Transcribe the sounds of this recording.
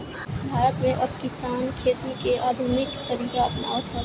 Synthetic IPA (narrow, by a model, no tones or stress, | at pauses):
bʱaːɾət̪mẽʔɐbkɪsaːnkʰeːt̪ikeʔaːd̪ʱuːnɪkt̪ɐɾiːkaɐpna̰ːʋət̪ʰɐ